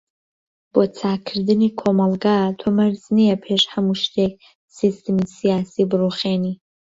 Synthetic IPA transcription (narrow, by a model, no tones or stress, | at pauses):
b̥ot͡sʰaːkʰrdɨnikʷʰomalɡatʰamarzniapʰeʂħamuʃtʰe | sistʰemisijaːsibroχeni